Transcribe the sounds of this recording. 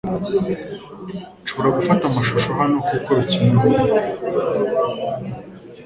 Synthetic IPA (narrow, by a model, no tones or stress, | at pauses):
t͡ʃoβoɾaɡufatamaʃuʃoɦano̞kokoɾiciːnɡuɾ